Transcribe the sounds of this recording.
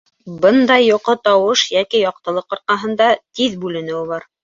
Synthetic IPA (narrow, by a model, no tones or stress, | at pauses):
bɤnd̪ɑjːuqɤt̪ɑwɤʃjækijɑq̚t̪ɤ̆lˠɤqŏɾqɑɦɤ̆nd̪ɑt̪iðbʉlɘ̆nɘ̆wɘβɑɾ